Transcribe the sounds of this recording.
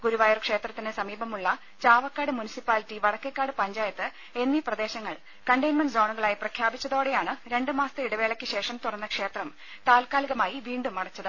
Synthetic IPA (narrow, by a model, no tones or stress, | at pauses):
ɡuɾuʋaːjɐrkʂe̞ːt̪rɐt̪ːinesɐmiːbɐmuɭːɐ | t͡ɕaːʋɐkːaːɽɨmunisipːaːlitːiʋɐɽɐkːekːaːɽɨpɐɲd͡ʑaːjɐt̪ːɨ | e̞nːiprɐd̪e̞ːɕɐŋːɐɭ | kɐɳɖejnmɐnso̞ːɳuɣɐɭaːjiprɐkʰjaːbit͡ɕːɐðo̞ːɽejaːɳɨɾe̞ɳɖɨmaːst̪ɨiɽɐʋe̞ːɭɐkʲːɨɕe̞ːʂɐmt̪urɐnːɐkʂe̞ːt̪rɐm | t̪aːlkaːliɣɐmaːjiʋiːɳɖumɐɽɐt͡ɕːɐðɨ